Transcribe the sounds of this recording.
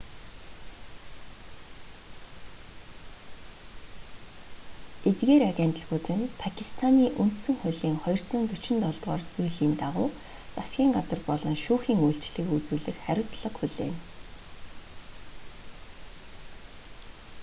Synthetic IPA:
et̪ɡeːɾaɣʲent̪ə̆ɮɣuːt̪ɘ̆npʰakʰist̪ʰaniːʔun̥t̪sɵ̆ŋχʊɮiːŋχɔjɞ̆r̥t͡sʊːnt̪ɵt͡ɕɪ̆nt̪ɔɮt̪ʁɔːrt͡sujɮiːnt̪aʁʊː | t͡sasɡʲiːŋɢat͡sə̆rpɔɮɞ̆nʃuːxiːŋujɬt͡ɕɮɘ̆kut͡suːɮɘ̆xχæɾʲʊ̆ːt͡sɮə̆qxuɮḛːn

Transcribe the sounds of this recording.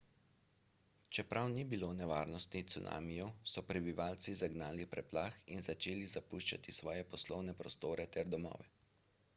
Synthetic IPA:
t͡ʃɛpɾawnibilonɛʋaːɾnɔst̪nit̪suna̰ːmijɔsɔpɾɛbiʋaːlt̪sizaɡnaːlipɾɛplaːxinzat͡ʃeːlizapuʃt͡ʃa̰t̪isʋɔːjɛpɔslɔwnɛpɾɔst̪oːɾɛt̪ɛɾd̪ɔmɔ̰ːʋɛ

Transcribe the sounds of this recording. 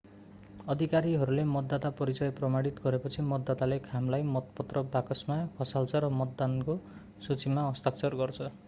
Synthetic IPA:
ʌd̪ʱikaɾiɦʌɾulemʌd̪ːat̪apʌɾit͡sʌjprʌmaɽit̪ɡʌɾepʌt͡sʰimʌd̪ːat̪alekʰamlajmʌt̪pʌt̪rʌbakʌsmakʰʌsalt͡sʰʌɾʌmʌt̪ːanko | sut͡simaʌst̪akt͡sʰʌrɡʌrt͡sʰʌ

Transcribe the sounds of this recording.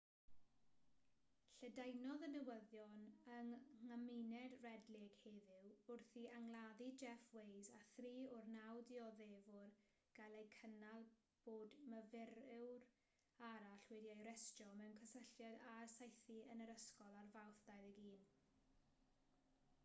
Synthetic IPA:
ɬədajnɔðənəwəðjɔnəŋŋamɪnɛdrɛdlɪɡ̥heːðɪwʊrθiʔaŋlˠaðid͡ʒɛfwejzaθriːʊrnawdiɔðeːvʊr | ɡ̥alˠejkʰənalˠ | b̥oːdməvɪɾɪwr | aɾaɬwɪdjajɾɛstɔmɛwnkʰəsəɬjadarsajθiənəɾəskɔlˠarvawθd̥ajðəɡiːn

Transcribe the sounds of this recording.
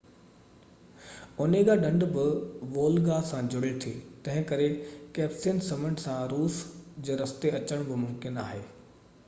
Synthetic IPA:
ʊneɡaːɗɐ̃ɳɖbɪʋoːlɡaːsãd͡ʑʊɽet̪ʰeːt̪ɐ̃ɦɪ̃kɐɾekɛːpsinsɐməɳɖsãɾuːsd͡ʑeːɾɐst̪eɐt͡ɕəɽ̃bɪmʊ̃mkɪnaːɦeː

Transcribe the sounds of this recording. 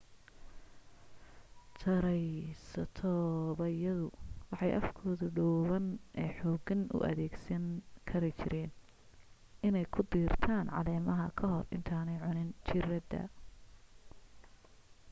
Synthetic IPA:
t̪ʰɐɾɛjsɐt̪ʰɔβɐɪjɐðʊwɑħɑjʔɐfkʰɔːðʊɖɔwβɐnʔɛːħɔːɡɐnʔʊ̰ʔɐ̰ðɛːɡsɐnkʰɐɾɪt͡ʃʰɪɾɛːn | ɪnɛjkʰʊd̪iːrt̪ʰaːnʕɑ̰lɛːmɐɦɐkʰɐɦɔrɪ̰nt̪ʰaːnɛjʕʊnɪnt͡ʃʰɪrɐd̪ɐ̰

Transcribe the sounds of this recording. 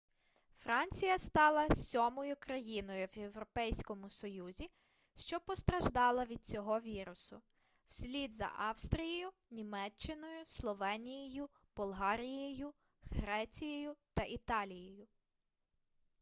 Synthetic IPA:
fɾɑnʲt͡sʲijɐst̪ɑlˠɐsʲɔmɔjʊkɾɐjinɔjʊwje̞wɾɔpɛjsʲkɔmʊsɔjuzʲi | ʃt͡ʃɔpɔst̪ɾɐʒd̪ɑlˠɐʋʲid̪̚t͡sʲɔɦɔʋʲiɾʊsʊ | w̥sʲlʲid̪zɐ̰ʔɑwst̪ɾʲijɔjʊ | nʲimɛt͡ʃːɪnɔjʊslˠɔʋɛnʲijejʊ | b̥ɔlˠɦɑɾʲijejʊ | ɦɾɛt͡sʲijɔjʊt̪ɐʔit̪ɑlʲijɔjʊ

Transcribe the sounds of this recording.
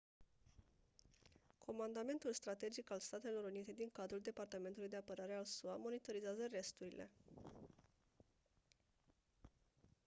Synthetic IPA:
kʰo̞mand̪ame̞nt̪ulst̪ɾat̪e̞d͡ʒikalst̪at̪e̞lo̞ɾunit̪e̞d̪iŋkad̪ɾuld̪e̞part̪ame̞nt̪ulujd̪e̞apəɾaɾe̞alsuamo̞nit̪o̞ɾizazəre̞st̪uɾilʔe̞̰

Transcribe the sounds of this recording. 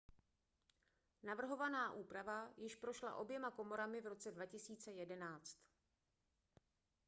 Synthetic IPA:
navr̩ɦo̞vanaːʔuːpɾavajɪʃpɾo̞ʃla̰ʔo̞bjɛmako̞mo̞ɾamɪvɾo̞t͡sɛdvacɪsiːt͡sɛjɛdɛnaːt͡st̪

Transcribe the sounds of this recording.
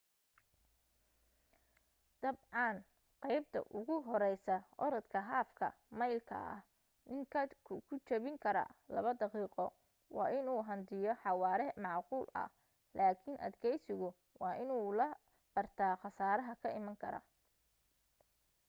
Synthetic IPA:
d̪̥ɐbʕɑn | qɑjb̚t̪ʰɐ̰ʔʊɣʊɦɔɾɛjsɐʔɔɾɐt̪kʰɐɦaːfkʰɐ̰ | mɐjlkʰɐ̰ɐ̰h | nɪŋkʰɐkʰʊkʰʊt͡ʃɐβɪŋkʰɐɾɐ̰lɐ̰βɐd̪ɑqiːqɔ | wɑ̰ːʔɪnuːɦɐnd̪ɪjɔħɑwɑːɾɛmɑʕquːlɐ̰h | laːkʰɪnʔɐ̰d̪kʰɛjsɪɣʊ | wɑːʔɪnuːlɐ | b̥ɐrt̪ʰaːχɑsaːɾɐɦɐkʰɐɪmɐŋkʰɐɾɐ̰

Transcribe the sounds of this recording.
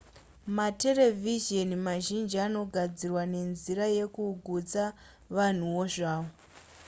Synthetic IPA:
mate̞le̞vʱiʒenimaʒind͡ʒiano̞ɡʱad͡zirwane̞nziɾaje̞kuɡʱud͡za | ʋan̤uwo̞ʐaːʋo

